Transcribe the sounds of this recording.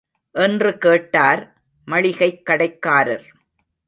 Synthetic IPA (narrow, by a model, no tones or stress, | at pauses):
ʔɛndrɯkeːʈːaːɾ | mɐɭɪɣɐɪkːɐɽɐɪkːaːɾɐ̰ɾ